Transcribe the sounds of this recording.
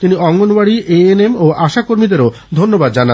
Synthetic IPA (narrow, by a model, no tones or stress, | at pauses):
t̪iniɔŋːonbaɽieenemoʔaʃakoɾmid̪eɾo | d̪ʱonːobad̪d͡ʑana